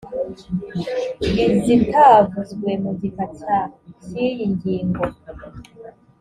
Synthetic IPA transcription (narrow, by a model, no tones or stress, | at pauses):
izitavuzɡwe̞muɟikatacijiɲɡiːŋɡo̞